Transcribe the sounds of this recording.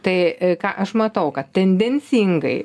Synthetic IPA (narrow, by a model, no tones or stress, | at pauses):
t̪ɐɪkɑːʔɐʃmɐt̪ɐʊkɐt̪̚t̪ʲɛnʲd̪ʲɛnʲsʲiːŋɡɐɪ